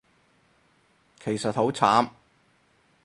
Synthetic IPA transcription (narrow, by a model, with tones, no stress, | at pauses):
kʰe˨˩jsɐ˨t̚ho˨˥wt͡sʰaː˨˥m